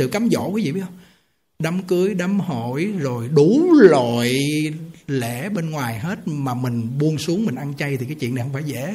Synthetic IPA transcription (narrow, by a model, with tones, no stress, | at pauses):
ɨ̰˧˨wkaː˨˦mzo̰˧˨kwːḭ˧˨ɓi˦˥ət̚hŋ͡m | ɗa˨˦mkɨ˨˦əjɗa˨˦mho˧˨jzo˨˩jɗu˧˩˦lo˧˨j | le˧˩˥ɓe˧nŋwaː˨˩jɦe˦˥t̚maː˨˩mï˨˩ŋ̟ɓu˧ənsu˨˦əŋmï˨˩ŋ̟ʔa˧nt͡ɕa˧jt̪ʰi˨˩kaː˨˦jt͡ɕwḭ˧˨n˨˩hŋ͡mfaː˧˩jzɛ̰˧˥